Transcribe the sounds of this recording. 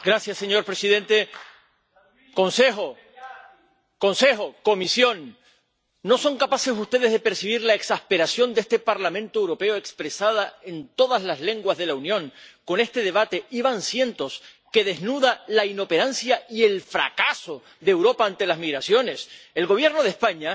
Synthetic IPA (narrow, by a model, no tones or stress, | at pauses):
ɡɾasjasːe̞ɲo̞ɾpɾesiðẽ̞nt̪e̞ | ko̞nse̞xo̞ | ko̞nse̞xo̞ko̞misjo̞nː | o̞so̞ŋkapase̞sust̪e̞ð̞e̞zðepe̞ɾsiβ̞iɾlaeksahpe̞ɾasjo̞nd̪est̪e̞paɾlamẽnt̪oewɾo̞pe̞oekspɾe̞sað̞ae̞nt̪o̞ðazlazle̞ŋɡwazð̞e̞launjõ̞ŋko̞ne̞st̪e̞ð̞e̞β̞at̪e̞iβansje̞nt̪o̞s | ke̞ðe̞znuðalaino̞pe̞ɾansjaie̞lfɾa̰kaso̞ | ðeːwɾo̞paːnt̪e̞lazmiɣɾasjo̞ne̞selɣo̞β̞je̞ɾno̞ð̞e̞spaɲa